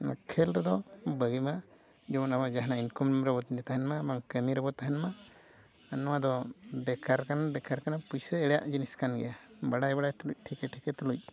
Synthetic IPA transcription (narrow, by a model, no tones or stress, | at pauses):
kʰɛlɾɛd̪ɔbəɡima | d͡ʒɔmɔnamad͡ʒaɦnainkɔmmɾɛbɔt̪nit̪aɦɛnmabaŋkəmiɾɔbɔt̪aɦɛnma | anɔwad̪ɔɖɛkʰaɾkanaɖɛkʰaɾkanapujsəɛɽɛja̰ʔd͡ʒiniskanɡɛ̰ja | baɽajbaɽajt̪uluc̚ˀʈʰikɛʈʰikɛt̪uluc̚ˀ